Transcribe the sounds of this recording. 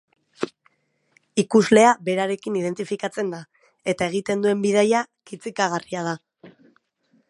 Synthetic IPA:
ikuzle̞abe̞ɾaɾe̞kiniðe̞nt̪ifikat͡se̞nd̪a | e̞t̪ae̞ɣ̞it̪e̞nd̪ue̞mbið̞ajakit͡sikaɣ̞ariað̞a

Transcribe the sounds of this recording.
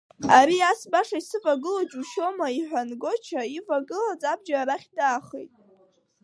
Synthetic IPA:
aɾiasbaʂaisɨvʼaɡɨlad͡ʒuʃo̞maiħʷᶣanɡo̞t͡ʃʰaivaɡɨlad͡zab̚d͡ʒaɾaχʲdaːχḛjtʼ

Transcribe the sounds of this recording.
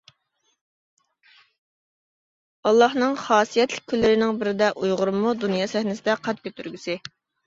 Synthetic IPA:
ɑlˠːɑhnɨŋχɑːsijɛt̪lɪ̥k̚ʲkʰʲːylːɪɾɪnɪŋbɪɾɪd̪ɛʔujʁʊɾmːud̪unjɑːsɛhnɪsɪd̪ɛqʰɑt̪̚kʲʰøt̪ʰyɾɡʲysɪ

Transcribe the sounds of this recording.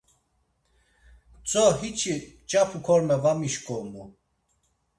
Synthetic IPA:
t͡sʼɔɦit͡ʃʰit͡ʃʼapʰukʰɔɾmɛvamiʃkʼɔmu

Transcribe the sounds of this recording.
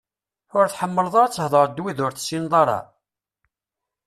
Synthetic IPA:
ʊɾθħəmːəlðˤɑɾˤt͡sːəhðˤəɾˤd̪wiðʊɾθsːinðˤɑɾˤɑ̰

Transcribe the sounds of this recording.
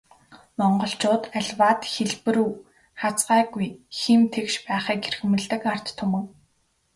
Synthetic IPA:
mɔɴɢɞ̆ɬt͡ɕʊːt̪aɮʲwaːt̪xeɮpɘ̆ɾuː | χat͡sɢaːɡujximt̪ʰekʃpæːχiːkerxɘ̆mɘ̆ɮt̪ɘ̆kar̥t̪ːʰʊmɘ̆ŋ

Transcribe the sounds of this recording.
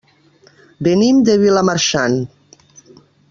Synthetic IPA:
benimd̪eβilamaɾʃan

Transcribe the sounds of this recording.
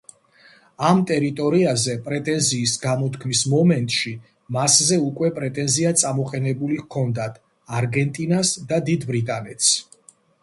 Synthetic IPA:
amt̪ʼɛɾit̪ʼɔɾiazɛpʼɾɛt̪ʼɛnziːsɡamɔt̪ʰkʰmismɔmɛnt̪ʼʃi | maszɛukʼwɛpʼɾɛt̪ʼɛnziat̪sʼamɔqʼɛnɛbulikʰɔnd̪at̪ʰ | aɾɡɛnt̪ʼinasd̪ad̪id̪bɾit̪ʼanɛt̪s

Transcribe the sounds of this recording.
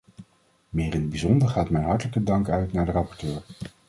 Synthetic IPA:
mɪːɾɪnəd̚bizɔndəɹχaːtmɛjɦɑɹtələkədɑŋkœɥtnaːɹdərɑpɔɹtøːɹ

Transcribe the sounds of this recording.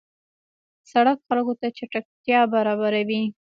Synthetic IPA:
saɽakxalkot̪at͡ʃaʈak̚t̪jɑbaɾɑβaɾawi

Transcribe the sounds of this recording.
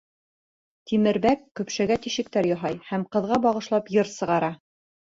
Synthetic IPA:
t̪ʰimɘ̆ɾbækːɵ̆pʃæɡæt̪iʃɘ̆k̚t̪æɾjɑɦɑjhæmqɤ̆ðʁɑbɑʁɤ̆ʃlˠɑpjɤɾsɤ̆ʁɑɾɑ

